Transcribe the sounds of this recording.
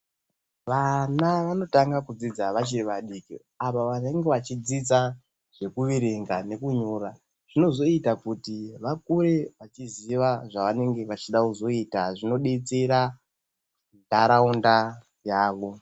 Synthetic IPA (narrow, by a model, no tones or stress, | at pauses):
ʋanaʋano̞taŋɡakud͡zid͡zaʋat͡ʃiriʋaɗikḭ | apaʋane̞ŋɡe̞ʋat͡ʃid͡zid͡za | ʐ̥e̞kuʋiɾeŋɡane̞kuɲo̞ɾa | ʐ̥ino̞zo̞itakutiʋak̚ure̞ʋat͡ʃiziʋaʐaʋane̞ŋɡe̞ʋat͡ʃiɗakuzo̞itaʐino̞ɗet͡seɾa | ndaɾaunda | jaːʋo̞